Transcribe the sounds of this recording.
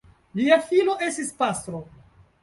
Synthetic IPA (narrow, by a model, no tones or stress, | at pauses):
liafilo̞ʔe̞stispast̪ɾo̞